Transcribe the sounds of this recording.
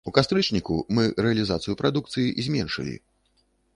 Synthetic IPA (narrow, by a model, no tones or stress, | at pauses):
ukast̪ɾɨt͡ʂnʲikṵmɨɾɛɐlʲizat̪sɨjupɾad̪uk̚t̪sɨjiʔzʲmʲɛnʂɨ̰lʲḭ